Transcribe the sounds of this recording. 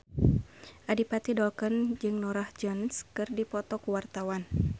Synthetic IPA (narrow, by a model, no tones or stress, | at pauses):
ʔadipat̪idɔlkənd͡ʒɨŋnɔɾahd͡ʒɔnskɨrdipɔt̪ɔkuwart̪awan